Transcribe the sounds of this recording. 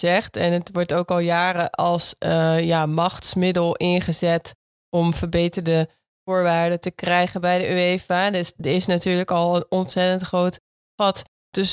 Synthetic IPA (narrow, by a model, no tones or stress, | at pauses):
zɛχtɛnətʋɔɹtowkɑlˠjaːrəʔɑlˠsjaːmɑχtsmɪdəlˠɪnχəzɛt | ɔmvəɹbejtəɹdə | vʊːɹʋaːɹdətəkrɛjχənbɛjdəʔyejfadsdəɪsnatyːɹləkɑlˠənɔntsɛtəntχrowt | χɑt | d̥ɵs